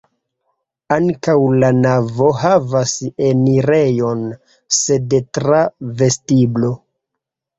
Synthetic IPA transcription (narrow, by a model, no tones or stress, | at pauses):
aŋkawlanavo̞ɦavaseniɾe̞jo̞n | se̞detɾave̞stiblo̞